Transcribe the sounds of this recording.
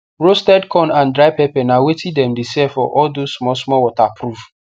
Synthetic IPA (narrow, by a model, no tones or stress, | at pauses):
ɹostɛdkʰɔ̃nãndɹaɪpɛpɛnawetʰĩdɛ̃mdesɛfɔʔɔldosmɔsmɔwɔtapɹuv